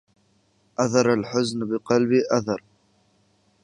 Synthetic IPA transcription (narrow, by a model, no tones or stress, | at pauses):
ʔaθɑɾˤalħʊznbɪqɑlbiʔaθɑɾˤ